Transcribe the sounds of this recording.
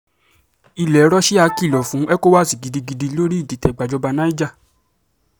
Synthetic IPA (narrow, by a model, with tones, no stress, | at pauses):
i˧lɛ˨˦ɾɔ˦ʃi˦a˧ki˦˨lɔ˨fũ˨˦ʔɛ˦ko˦wa˦˨si˨ɡi˨di˧ɡi˧di˧˦lo˦ɾi˦i˦˨di˨tɛ˨ɡ͡ba˨d͡ʒɔ˧ba˧nã˦i˦d͡ʒa˦˨